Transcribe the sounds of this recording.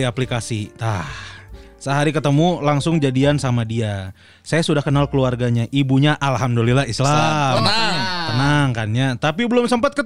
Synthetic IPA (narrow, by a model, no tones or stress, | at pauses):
iaplikasit̪ah | səɦaɾikət̪əmulaŋsʊŋd͡ʒadiansamadia | sajasudahkənalkəluarɡaɲaʔibuɲaʔalɦamdəlilahislamt̪ənaŋkanɲat̪apibəlʊmsəmpat̪kə